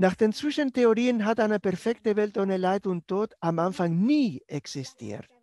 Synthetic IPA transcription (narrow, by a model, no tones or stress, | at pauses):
naːχd̥eːnt͡sv̥ɪʃənteoʁiːənɦataɪnəpɛɐfɛktəvɛltonəlaɪtʊntʰːoːtamʔanfaŋniːɛksistʰḭːɐt